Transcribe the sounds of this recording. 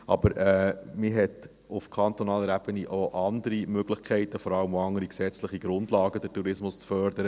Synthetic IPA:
ɑ̰bəɾɛːmɪɦɛt̪ | ʊfkʰɑnt̪onɑːləɾæb̥əniʔoʔɑnd̪əɾimøɡ̥lɪχkʰɛɪtəfɔɾɑləmɑŋəɾiksɛt͡sləχiɡ̥ɾʊndlɑːɡəd̥ətuɾɪsmʊst͡sfœɾdəɾə

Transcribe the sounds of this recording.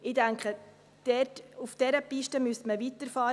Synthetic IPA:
ɪdæŋkχə | d̥ɛrtufd̥ɛɾəpiʃtəmystməvitəɾfɑːɾ

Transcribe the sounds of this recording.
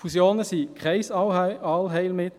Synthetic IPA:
fusjoːnəsiːkʁɛɪsɑlɦeɪlmɪt̪

